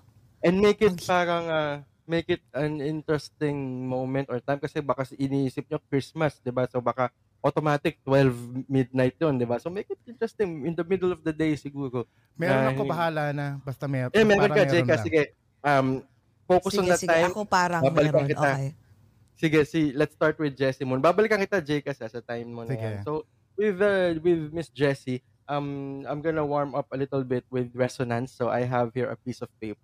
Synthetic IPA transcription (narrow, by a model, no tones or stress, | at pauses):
ʔɛnd̪̚mejkɪt̪̚paːɾɐŋa | mejkɪt̪̚ɐnɪnt̪ɹɛst̪ɪŋmowmɛ̃nt̪oɹt̪ajmkɐsɛbakɐsʔɪniiːsɪp̚ɲokɹismɐsd̪ɪbasobaka | ʔot̪omaːt̪ɪk̚t̪wɛlvmɪd̪̚najt̪̚jond̪ɪbasomejkɪt̪̚ɪnt̪ɹɛst̪ɪŋɪnd̪ɐmɪd̪ɛlɔfd̪ɐd̪ejsɪɡuːɾo | nɛɐhbɐɦaːlanɐbɐst̪ɐmɛɛmɛɾokɐd͡ʒɛjkɐsɪɡɛ | ʔɐm | foːkʊsɔ̃nd̪ɐt̪ːajmpaɾɐbaːbbɐlɪkːɐŋkɪt̪a | sɪɡɛsilɛt̪st̪aɹt̪̚wɪd̪̚d͡ʒɛsimɔnbaːbɐlɪkɐŋkɪt̪ad͡ʒɛjkɐsɐsɐt̪ajmːonɐjanso | wɪðɐwɪðmɪsd͡ʒɛsi | ʔɐmʔajmɡɐnɐwaɹmɐp̚ɐlɪt̪əlbɪt̪̚wɪðɹɛsɔnɐ̃nsːoʔa̰jɦɐvhiɹɐ̰piːsɔv̥pejp